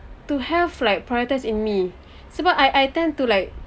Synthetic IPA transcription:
tuhɛvlajk̚pʰɹajɔtaɪsĩnmi | sobaʔajʔajtɛ̃ntulajk̚

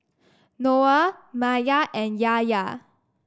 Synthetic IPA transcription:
noamajaʔɛ̃njaja

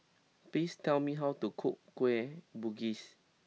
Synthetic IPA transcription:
plistɛlmiɦawtukʰup̚kwɛbuɡis

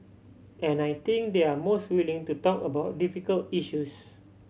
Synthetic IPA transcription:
ɛ̃najt̪ĩŋk̚d̪eamostwilĩŋtutɔkəbaʊt̚difikəltiʃus

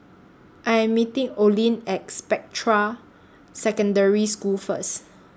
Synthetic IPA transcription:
ʔajɛ̃mːitĩŋolĩnɛkspɛk̚tʰɹa | sɛkə̃ndəɹiskulfəs

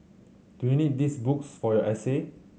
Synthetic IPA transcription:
d̥ujunit̚disbuksfɔjɔʔɛse

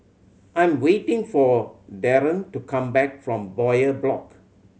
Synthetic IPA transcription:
ʔãj̃mwetɪ̃ŋfɔdɛɹə̃ntukʰãmbɛk̚fɹɔ̃mbɔjəblɔk

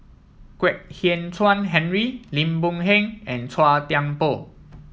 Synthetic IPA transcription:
kwɛk̚hiəntʰwãnɦɛ̃nɹilĩmbũŋɦɛ̃ŋɛ̃ntʰwat̪jãŋpo

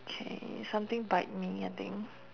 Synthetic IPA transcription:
okʰḛsãmt̪ɪ̃ŋbaɪt̚miaɪt̪ɪ̰̃ŋ

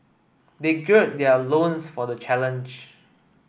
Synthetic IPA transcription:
deɡɛt̚dɛəlõnsfɔdət͡ʃʰɛlə̃nd͡ʒ

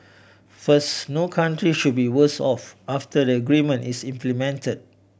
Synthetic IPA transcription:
fəsnokʰãntɹiʃud̚biwəsɔfaftədəəɡɹimə̃nʔisĩmplimɛ̃ntəd̚

